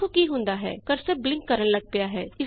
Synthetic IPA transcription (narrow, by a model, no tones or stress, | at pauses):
ukiɦʊ̃nd̪aːɦɛ̰ːkɐɾseblɪ̃ŋkːəɾəɽlɐɡ̚pɪjaːɦɛːɪ